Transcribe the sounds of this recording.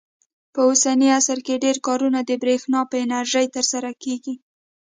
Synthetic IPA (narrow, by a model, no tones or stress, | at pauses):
pəosaniasaɾkeɖeɾkɑɾunad̪əbɾexnɑpəɪnaɾʒəjt̪əɾsaɾakeɡi